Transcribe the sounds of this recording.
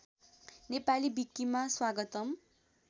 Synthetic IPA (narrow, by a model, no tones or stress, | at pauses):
nepalibik̚t̪imaswaɡʌt̪ʌm